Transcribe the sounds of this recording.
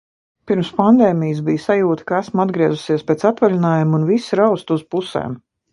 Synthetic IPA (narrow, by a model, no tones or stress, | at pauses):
piɾmspand̪eːmijəs̬bijsajuːt̪ə̥kaæsmad̪ɡɾiɛzusiɛspʲɛːt̪sat̪valʲinaːjumunvisɾawst̪uz̥pusḛːm